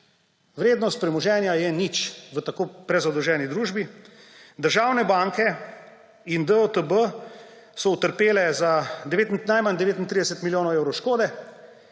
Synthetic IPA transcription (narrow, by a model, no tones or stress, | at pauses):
ʋɾeːd̪nɔst̪̚pɾɛmɔʒɛːnjajɛnit͡ʃʋət̪akoːpɾɛzad̪ɔwʒɛːnid̪ɾuːʒbi | d̪əɾʒaːwnɛbaːŋkɛ | ind̪əot̪əbə | sɔut̪əɾpeːlɛzad̪ɛʋeːt̪nnajmand̪ɛʋeːt̪int̪ɾid̪ɛsɛt̪miljoːnɔwɛwɾɔwʃkoːd̪ɛ